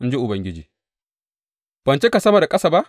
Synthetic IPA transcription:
n̩˦d͡ʒe˦ʔʊ˨bɐ˦ŋɡʲɪ˦d͡ʒiː˨ | b̥ɐ˨nt͡ʃe˦ka˨sɐ˦ma˨da˨kʼɐ˦sa˨ba˦ʔ

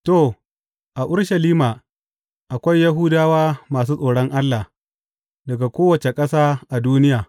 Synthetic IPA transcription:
to˦˨ | ʔa˨ʔʊ˦ɽʃɐ˨liː˦maː˨ | ʔa˨kʷa˦jːɐ˦ɦʊ˦daː˦waː˦maː˨s̬uː˦sʼoː˨ɽɔ˦ŋʔa˦lːa˨ | dɐ˨ɡa˨kʷoː˦wɐ˨t͡ʃe˨kʼɐ˦saː˦ʔa˨duː˦nɪ˦jaː˨

